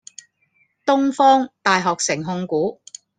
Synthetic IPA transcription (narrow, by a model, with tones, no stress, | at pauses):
t̪ʊ˥ŋfɔː˥ŋt̪aː˨jɦɔː˨k̚sɪ˨˩ŋɦʊ˧ŋkuː˨˥